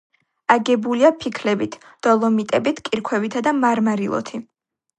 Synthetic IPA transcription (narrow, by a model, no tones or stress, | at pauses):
aɡɛbuliapʰikʰlɛbit̪ʰd̪̥ɔlˠɔmit̪ʼɛbit̪ʰkʼiɾkʰwɛvit̪ʰad̪amaɾmaɾilˠɔ̰t̪ʰi